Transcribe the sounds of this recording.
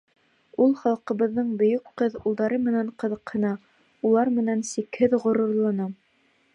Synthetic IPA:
ulˠχɑlˠqɤ̆βɤ̆ðːɤɴbɵ̆jɵkqɤðulˠd̪ɑɾɤmɘ̆næɴqɤ̆ðɤ̆qhɤ̆nɑ | ulˠɑɾmɘ̆nænsikhɘðʁŏɾŏɾlˠɑnɑ

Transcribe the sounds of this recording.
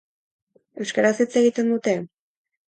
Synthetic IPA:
e̞wskaɾasit͡se̞ɣit̪e̞nd̪ut̪e̞

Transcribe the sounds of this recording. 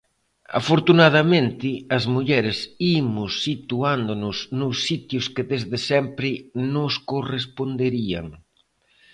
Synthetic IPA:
a̰foɾt̪unað̞amẽnt̪ɪɐzmuʎɛɾɪsimʊsːit̪uand̪onʊsnʊsːit̪jʊskɪðezðesɛmpɾɪnʊskorespond̪eɾia̰ŋ

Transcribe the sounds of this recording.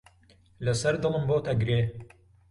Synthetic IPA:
lɨsɐɾd̪ɨlˠɨnboːt̪ɐɡɾeː

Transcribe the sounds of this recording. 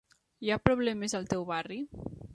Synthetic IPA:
japɾoβlɛmezalˠt̪ɛwβari

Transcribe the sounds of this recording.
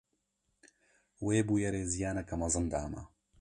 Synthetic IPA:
weːbuːjɐɾeːzijaːnɐkɐmɐzɨnd̪aːmɐ̰

